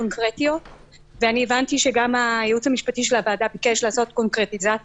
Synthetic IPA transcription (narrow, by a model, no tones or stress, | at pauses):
onkʁetio̞t | veanievantiʃe̞ɡamajeut͡shamiʃpatiʃ̬e̞lhavaːdabike̞ʃlaːso̞tko̞nkʁe̞tiza